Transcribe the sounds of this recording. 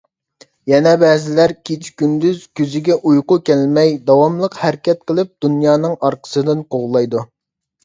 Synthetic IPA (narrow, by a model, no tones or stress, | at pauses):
jɛnɛbɛːzɪlæɾkʲʰet͡ʃʰkʲynd̪yzkʲøzɪɡʲɛʔujqʊkʲɛlmɛjd̪ɑwɑmlˠəqhæɾkʲɛt̪̚qʰəlˠɨp̚d̪unjɑːnɨŋɑɾqʰə̥sɨd̪ɨnqʰoʁlˠɑjd̪u